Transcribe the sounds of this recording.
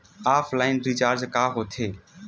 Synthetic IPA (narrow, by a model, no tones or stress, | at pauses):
aːpʰlaːɪnɾiːt͡ʃaːɾd͡ʒkaːɦoːt̪ʰeː